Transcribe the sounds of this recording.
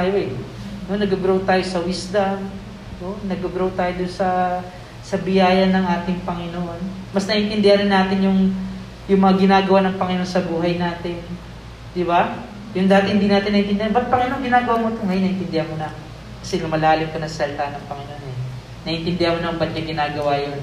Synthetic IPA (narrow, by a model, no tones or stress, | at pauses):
ajoʔɛ | nonːɐɡobɾowt̪aːjosɐwisd̪am | nonɐɡobɾowt̪aːjod̪ʊnsɐ | sɐbɪjaːjɐnːɐŋʔaːt̪ɪŋpɐŋɪnoʔo̞nmɐsnɐʔɪnt̪ɪnd̪ɪɐɾɪnːaːt̪ɪnjʊŋ | jʊŋmɐŋaɡɪnaːɡɐwanɐŋpɐŋɪnoonsɐbuːɦɐjnaːt̪ɪn | d̪ɪba | jʊŋd̪aːt̪ɪhɪnd̪inaːt̪ɪ̃nɐʔɪnt̪ɪnd̪ɪhɐnbɐt̪̚pɐŋɪnoʔoŋɡɪnaːɡɐwaːmot̪oŋɐjnɐʔɪnt̪ɪnd̪ɪhɐnmonɐ | kɐsɛlɐmɐlaːlɪmkɐnɐsɛlt̪anɐŋpɐŋɪnoʔonɛ | nɐʔɪnt̪ɪnd̪ɪhɐnmonɐjɐŋbɐɲjaŋɡɪnaːɡɐwaːjon